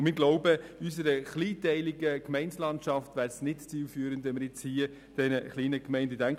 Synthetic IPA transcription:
mɪːɾɡlɔʊbəysəɾəχliːtɛɪlɪɡəkmɛɪnslɑntʃɑftʋæːɾsnɪtt͡siːlfyːɾəndʋɛnməɾjɪt͡shiə | d̥ɛnəχliːnəkmɛɪndədæŋk

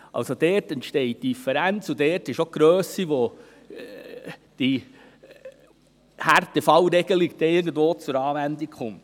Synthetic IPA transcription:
ɑ̰lsod̥ɛːtɛntʃtɛɪt̚d̥ifəɾænt͡sudɛːɾtɪʃoɡ̥ɾøːsiʋo | d̥i | hærtəfɑwɾɛɡ̥əlikd̥ɛɪɡən̩dʋoːt͡sʊɾɑːʋænd̪ikχʊmt

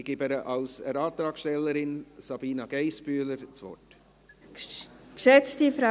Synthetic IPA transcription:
ɡ̥ɪːbɛɾəʔɑlsɛɾɑːt̪ɾɑːkʃtɛlːəɾɪnsɑb̥iːnɑɡ̥ɛɪspyːləɾt͡svɔ̰t | kʃɛt͡stifɾa

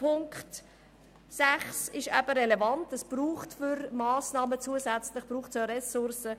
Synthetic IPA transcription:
pʰʊŋkχt | sæχsɪʃæbəɾelevɑntəsb̥ruːχtfʏɾmɑːsnɑːmət͡suəzæt͡slɪχb̥ɾuːχtsøɾɛsʊɾsə

